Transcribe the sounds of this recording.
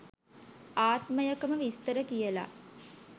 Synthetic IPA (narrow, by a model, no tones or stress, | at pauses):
aːt̪məjəkəməʋist̪əɾəkijəla̰